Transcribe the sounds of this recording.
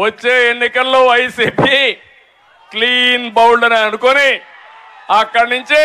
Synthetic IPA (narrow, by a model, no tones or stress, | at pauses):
ʋɐt͡ʃːe̞ːenːikɐlːoːʋɐjsiːpi | kliːnbɐwɳɖɐniɐnukoni | ɐkːɐɽnuɲt͡ʃi